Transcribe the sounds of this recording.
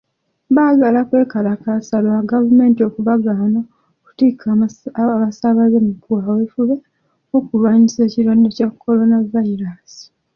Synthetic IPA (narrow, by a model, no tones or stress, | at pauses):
βaɡalakwe̞ːkalakasaloaɡavume̞ːntio̞kuβaɡaːno | ku̥tikʰaβasaβazemukwaːwefuβe | okulwaːɲise̞ːciɾwadecakʰːo̞ɾo̞navaiɾasi̥